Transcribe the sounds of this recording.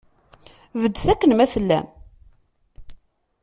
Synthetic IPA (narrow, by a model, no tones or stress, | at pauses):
vəd̪ːθækːənmæfəlːæ̰m